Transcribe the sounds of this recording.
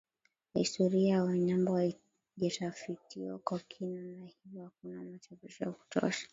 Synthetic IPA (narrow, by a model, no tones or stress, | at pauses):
histɔɾiawaɲambɔhai | ʄɛtafitʰiɔ̰kakʰinanahivakunamat͡ʃavuʃɔjaku̥tɔ̰ʃḁ